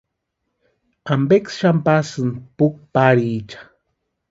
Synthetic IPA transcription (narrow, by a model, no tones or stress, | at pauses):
ambeksʃampasɨnpuk̚paɾit͡ʃḁ